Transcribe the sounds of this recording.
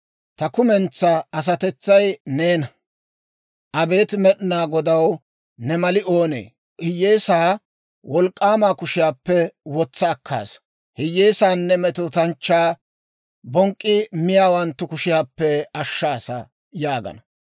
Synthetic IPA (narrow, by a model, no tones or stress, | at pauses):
t̪ɐkʊmɛnt͡sːɐɐs̬ɐt̪ɛt͡sːɐjneːnɐ | ʔɐbe̞ːt̪mɛɗɪnaːɡɔd̪ɐw | nɛmɐlɪʔo̞ːnḛː | hɪjːe̞ːsaː | wɔlkʼːaːmaːkʊʃɪjaːpːɛwɔt͡sːɐːkʰːa̰ːs | hɪjːeːsaːnːɛmɛt̪ʊt̪ɐnt͡ʃːaː | bɔŋkʼːɪmɪjaːwɐnt̪ːʊkʊʃɪjaːpːɛɐʃːaːsɐ̰ | jaːɡɐ̰nɐ